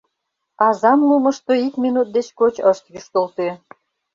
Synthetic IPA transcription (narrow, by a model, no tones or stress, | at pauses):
ɑzɑmlumə̆ʃt̪oikmʲinut̪̚d̪et͡ɕkot͡ɕəʃt̪jyʃt̪olt̪e